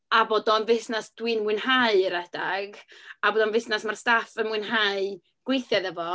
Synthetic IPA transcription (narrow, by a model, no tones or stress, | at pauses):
aboːdɔnvɪθnasd̥wɨnwɨnhaɨəɾɛd̥aɡaboːdɔnvɪθnasmarstafənmwɨnɦaɨ | ɡ̥wejθjaðɛvɔ